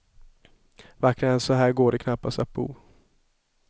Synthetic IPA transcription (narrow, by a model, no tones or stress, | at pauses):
vakːɾaɛnsɔɦæːɾɡoːɖɛkʰnapːast̪at̪̚bṵː